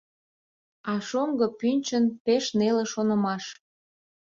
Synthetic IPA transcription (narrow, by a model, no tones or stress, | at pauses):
ɑʃoŋɡəpynʲt͡ɕənpeʃneleʃonə̆mɑʃ